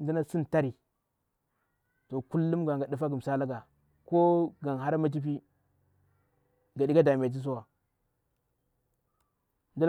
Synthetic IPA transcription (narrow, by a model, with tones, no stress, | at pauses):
n˦du˦na˦si˦nta˦ɾi˨ | to˨ku˦lːu˦mɡa˨ŋɡa˨du˦fa˦ɡu˨m˨sa˦la˦ɡa˨ | ko˦ɡa˨nɦa˦ɾma˦t͡ʃ̬i˦p̬i˦ | ŋɡa˨di˦ɡa˦da˨m˨e˨t̬i˦s̬u˦wa˨ | ndu˦l